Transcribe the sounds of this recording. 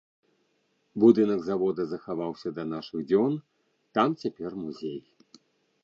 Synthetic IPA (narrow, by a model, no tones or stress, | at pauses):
bud̪ɨnɐɡzavɔd̪ɐzɐxavawsʲɐd̪ɐnaʂɨɣd͡zʲɔn | t̪amt͡sʲapʲɛrmuzʲej